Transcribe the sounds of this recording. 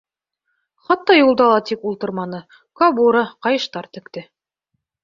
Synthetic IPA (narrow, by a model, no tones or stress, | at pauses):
χɑt̪ːɑjulˠd̪ɑlˠɑt̪ikulˠt̪ɤ̆ɾmɑnɤ | kɑbuɾɑqɑjɤ̆ʃt̪ɑɾt̪ɘ̆kt̪ɘ